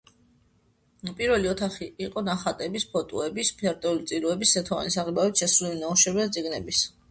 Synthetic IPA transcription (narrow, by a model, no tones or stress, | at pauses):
pʼiɾvɛliɔt̪ʰaχiʔiqʼɔnaχat̪ʼɛbispʰɔt̪ʼɔ̰ɛbispʰaɾt̪ʼɛulit̪sʼiɾuɛbisːɛt̪ʰɔa̰nisaʁibavit̪ʃɛsulilinauʃɛɾvɛt̪sʼiɡnɛbis